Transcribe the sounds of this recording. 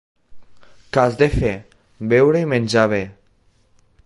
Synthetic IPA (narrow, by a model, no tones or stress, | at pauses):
kazd̪efe | bɛwɾeimẽnʲd͡ʒaβ̞e